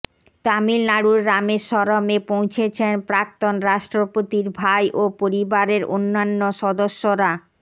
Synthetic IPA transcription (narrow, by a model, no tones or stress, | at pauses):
t̪amilnaɽuɾːameɾʃɔɾomepow̃t͡ɕʰet͡ɕʰenpɾak̚t̪onɾaʃʈɾopot̪iɾbʱajʔopoɾibaɾeɾo̰nːanːoʃɔd̪oʃːoɾa